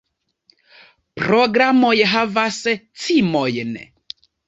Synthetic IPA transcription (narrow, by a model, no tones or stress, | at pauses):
pɾɔɡɾamɔjəɦavasɛt͡sʰimɔjənɛ̰